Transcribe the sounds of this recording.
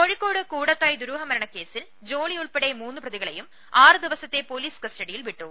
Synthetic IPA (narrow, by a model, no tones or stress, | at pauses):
ko̞ɻikːo̞ːɽɨkuːɽɐt̪ːaːjd̪uɾuːɦɐmɐɾɐɳɐkːe̞ːsil | d͡ʑo̞ːɭijuɭpeɽemuːnːuprɐðiɣɐɭḛjum | aːrɨd̪iʋɐsɐt̪ːe̞poːliːskɐsʈɐɽijilʋiʈːu